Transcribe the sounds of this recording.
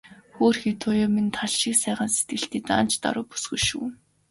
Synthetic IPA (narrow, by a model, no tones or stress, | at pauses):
xoːrxit̪ʰʊjaːmint̪ʰaɮʃiːksæːʁə̆nset̪̚ɡɘ̆ɬt̪iːt̪a̰n̥t͡ɕt̪a̰ɾʊːpu̥sɡɵ̆ʃṵː